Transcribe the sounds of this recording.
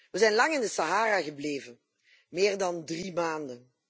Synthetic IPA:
ʋəzɛjnlɑŋɪndəsaɦaːɾaːɣəbleːvən | meːrdɑndrimaːndən

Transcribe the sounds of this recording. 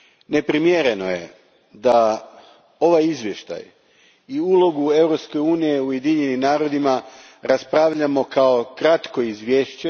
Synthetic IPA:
ne̞pɾimjeɾe̞no̞̰je̞̰ | d̪a | o̞ʋajizʋje̞ʃt̪a̰j | iulˠo̞ɡue̞ʋɾo̞pske̞juːnije̞uje̞d̪iɲe̞nimnaːɾo̞d̪ima | ɾaspɾaːʋʎamo̞kao̞kɾat̪ko̞izʋjeːʃt͡ɕe

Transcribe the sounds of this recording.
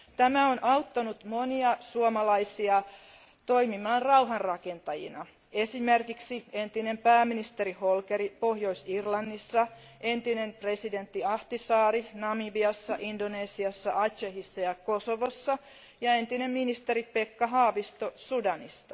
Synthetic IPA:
t̪æmæonʔɑwt̪ːɑnut̪moniɑsuomɑlɑisiɑ | t̪o̞imimɑːnrrɑuɦɑrrɑke̞nt̪ɑjḭnɑ | esimerkiksie̞nt̪ine̞mpæːmːinist̪eɾiholkeɾipohjo̞isirlɑnːisːɑ | e̞nt̪inempre̞side̞nt̪ːiɑht̪isɑːɾinɑmibiɑsːɑʔindoneːsiɑsːɑʔɑt͡ʃehisːɑjɑko̞soʋosːɑ | jɑe̞nt̪ine̞mminist̪eɾipekːɑɦɑːʋist̪osudɑnist̪ɑ̥

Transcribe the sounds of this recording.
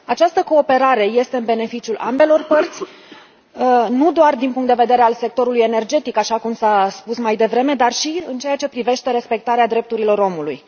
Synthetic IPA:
at͡ʃast̪əko̞ːpe̞ɾaɾe̞je̞st̪e̞ɨnbe̞ne̞fit͡ʃiulʔa̰mbe̞lo̞rpərt̪sʲ | nud̪oard̪inpuŋkt̪d̪e̞ve̞d̪eɾe̞alse̞k̚t̪o̞ɾuluje̞ne̞rd͡ʒe̞t̪ikaʃakumsaspusmajd̪e̞vɾe̞me̞d̪arʃiɨnt͡ʃe̞jat͡ʃe̞pɾive̞ʃt̪e̞ɾe̞spe̞k̚t̪aɾead̪ɾe̞p̚t̪uɾilo̞ɾo̞mulṵj

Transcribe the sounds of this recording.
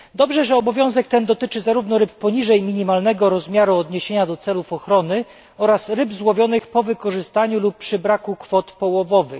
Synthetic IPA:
d̪ɔbʐɛʐɛɔbɔvʲjɔ̃w̃zɛkt̪ɛnd̪ɔt̪ɘt͡ʂɘzaɾuvnɔɾɘpːɔɲiʐɛjmʲiɲimalnɛɡɔɾɔzmʲjaɾuɔd̪ɲeɕeɲad̪ɔt̪sɛlufɔxɾɔnɘ | ɔɾasɾɘbzwɔvʲjɔnɘxpɔvɘkɔʐɘst̪aɲulupːʂɘbɾakukfɔt̪pɔwɔvɔvɘ

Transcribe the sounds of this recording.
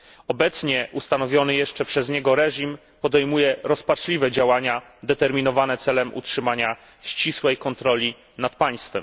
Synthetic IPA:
ɔbɛt̪sɲɛust̪anɔvʲjɔnɘjɛʂt͡ʂɛpʂɛzɲɛɡɔɾɛʐim | pɔd̪ɛjmujɛɾɔspat͡ʂlʲivɛd͡ʑawaɲa | d̪ɛt̪ɛɾmʲinɔvanɛt̪sɛlɛmʔṵtʂɘmaɲa | ɕt͡ɕiswɛjkɔnt̪ɾɔlʲi | nat̪̚paj̃st̪fɛm

